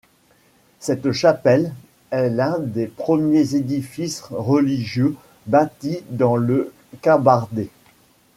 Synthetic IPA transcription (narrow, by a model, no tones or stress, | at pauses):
sɛt̪ʃapɛl | ɛlɛ̃d̪epχəmjezed̪ifisʁəliʒjø | bat̪id̪ɑ̃lə | kɑ̃baʁd̪e